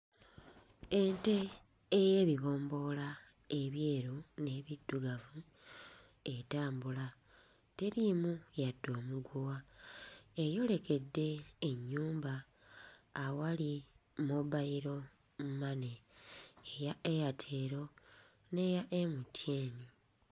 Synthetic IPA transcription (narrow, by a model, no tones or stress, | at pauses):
e̞nte̞ː | je̞βiβo̞ːmbo̞la | e̞βje̞ːɾune̞βidːuɡavu | e̞taːmbula | te̞ɾimujadːo̞ːmuɡuwa | ejo̞le̞ke̞dːe̞ːɲːuːmbaː | walimuβaiɾo̞ | mumane̞ː | jaejatʰe̞ːɾo̞ | ne̞jaʔe̞mutje̞ːni